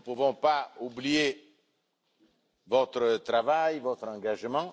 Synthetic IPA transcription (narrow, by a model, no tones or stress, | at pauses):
puvɔ̃paublije | vɔt̪χət̪ʁavajvɔt̪χɑ̃ɡaʒəmɑ̃